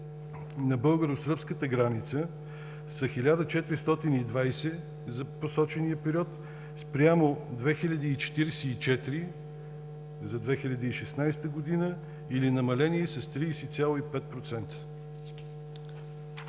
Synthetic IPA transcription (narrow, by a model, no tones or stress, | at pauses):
nɐbɤlˠɡəɾosəpskət̪əɡɾanit̪sə | sɐxilʲad̪ət͡ʃɛt̪ɾist̪ɔt̪inid̪vajsɛ | zɐposɔt͡ʃɛniəpɛɾʲiɔt̪ | spɾjamod̪vɛxilʲɐd̪iːt͡ʃɛ̥t̪iɾɛsɛit͡ʃɛt̪ɾi | zɐd̪vɛxilʲɐd̪iiʃɛsnajst̪əɡod̪inə | ilinɐmɐlɛniɛsɐst̪ɾisɛt̪sʲalˠoipɛt̪̚pɾot̪sɛnt̪ə̥